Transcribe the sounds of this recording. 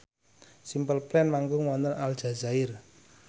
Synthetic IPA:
simpəlplɛnmaŋɡʊŋwɔnt̪ənald̥ʒ̥a̤zaɪr

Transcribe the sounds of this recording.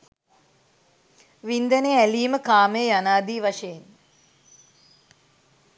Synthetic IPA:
ʋind̪əneæliːməkaːmejanaːd̪iːʋaʂejen

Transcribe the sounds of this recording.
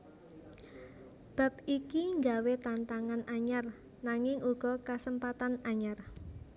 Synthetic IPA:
b̥a̤p̚ikiŋɡawet̪ant̪aŋanaɲar | naŋɪŋuɡ̥ɔ̤kasəmpat̪anaɲar

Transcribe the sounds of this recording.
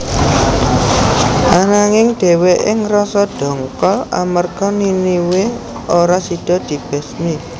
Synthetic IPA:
ʔanaŋɪŋɖ̥e̤weʔɪŋrɔsɔɖ̥ɔ̤ŋkɔla̰mərɡ̥ɔ̤niniwe | oɾasiɖ̥ɔ̤d̪̥i̤b̥ɛ̤sni

